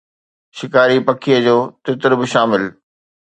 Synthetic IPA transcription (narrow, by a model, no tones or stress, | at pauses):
ʃɪkaːɾipɐkʰijəd͡ʑoːt̪ɪt̪ɪɾbɪʃaːmɪl